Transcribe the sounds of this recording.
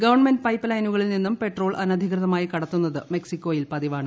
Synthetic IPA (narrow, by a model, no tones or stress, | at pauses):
ɡɐʋɐɳmenɖpɐjpːɐlɐjnuɣɐɭilninːumpe̞ʈro̞ːɭʔɐnɐd̪ʱikrɨðɐmaːjikɐɽɐt̪ːunːɐðɨme̞ksikʲːoːjilpɐðiʋaːɳɨ